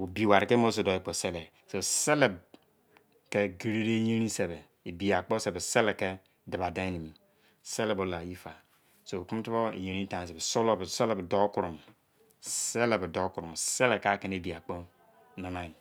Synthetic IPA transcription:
u˨bi˨wa˨ɾi˨ke˦mo˦s̬e˨do˨˦e˦k͡po˨se˦le˨ | so˨se˦le˨b | ke˦ɡi˨ɾe˦ɾe˦je˦ɾi˦se˨be˨ | e˨bi˨a˨k͡po˦se˨be˨se˦le˨ke˦ | da˨ba˨da˦ni˨m˨ | se˦le˨bo˨la˨ji˦fa˨ | so˨ku˦m˦tu˦bo˦ḛ˨ɲe˨ɾĩ˦tã˦˨s̬e˨be˨so˦lo˦bse˦le˨bdo˦ku˨ɾu˨m | se˦le˨bdo˦ku˨ɾu˨mse˦le˨ka˦ke˦ne˨˦˨bi˨a˨k͡po˦ | no˨na˦˨i˨

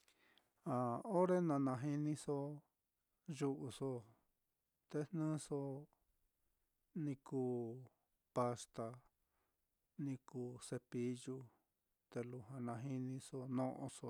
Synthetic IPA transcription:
a˨o˦ɾe˦nã˧nã˧ɦi˧nĩ˧so˧˦ | ʒu˧ʔu˧so˧ | t̪e˧nnɨ̃ː˦so˧ | nĩ˧kuː˧ | pa˧st̪a˧ | nĩ˧kuː˧˨se˧pi˧˦ju˦˧ | t̪e˧lu˧ɦã˧nã˧ɦi˦nĩ˧so˧nõ˦ʔõ̰˧so˧

